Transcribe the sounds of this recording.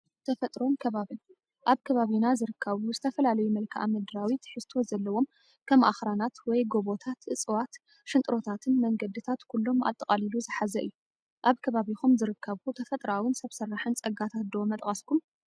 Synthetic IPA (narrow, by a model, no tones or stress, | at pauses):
t̪ʰɐfɐt̪ʼɾo̞mkʰɐβaβin | ʔaβkʰɐβaβinazɨɾɨkʰːɐβuzɨt̪ʰɐfɐlalɐjumɐlkʰɨʔa̰mɐd̪ɨɾawit̪ħɨst̪ʰo̞zɐlːɐwo̞m | kʰɐmʔa̰xɾanat̪wɔjɡo̞βo̞t̪ʰat̪ɨt͡sʼɨwat̪ | ʃɨnt̪ʼɾo̞t̪ʰat̪ʰɨnmɐŋɡɐd̪ɨt̪ʰat̪kʰulːo̞mʔa̰t̪ʼːɨkʼaliluzɨħazɐʔɨjːu | ʔaβkʰɐβaβixumzɨɾɨkʰːɐβut̪ʰɐfɐt̪ʼɾawɨnsɐβsɐrːaħɨnt͡sʼɐɡat̪ʰat̪d̪omɐt̪ʼkʼɐskʰum